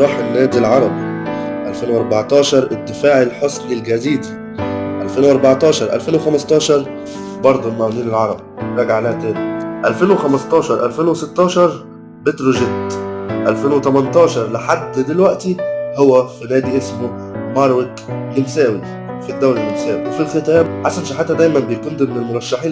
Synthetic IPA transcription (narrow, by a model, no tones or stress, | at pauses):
ɾˤɑːħenːæːd̪ilʕɑɾˤɑbiʔælfeːnwʔɑɾˤbaʕt̪ˤɑːʃɑɾˤʔɪd̪ːɪfaːʕelħosˤlɪlɡæziːd̪i | ʔælfeːnwʔɑɾˤbɑʕt̪ˤɑːʃɑɾˤʔæ̰lfeːnwexæmɑst̪ˤɑːʃɑɾˤ | bɑɾˤd̪ˤʊlmæwæniːnelʕɑɾˤɑbiɾˤɑːɡaʕlæːhæt̪æːniʔælfeːnwexæmɑst̪ˤɑːʃɑɾˤʔælfeːnwesɪt̪ːɑːʃɑɾˤ | bet̪ɾoʒet̪ʔælfeːnwet̪æmænt̪ˤɑːʃɑɾˤlɪħad̪ːd̪elwæʔt̪ihowːæfinæːd̪iʔesmo | mɑɾˤwet̪lɪmsæːwi | fid̪ːæwlælɪmsæːwiwefilxɪt̪æːmħasænʃiħat̪ːæd̪æjmænbejkund̪æmɪnelmoɾˤɑʃːaħiːn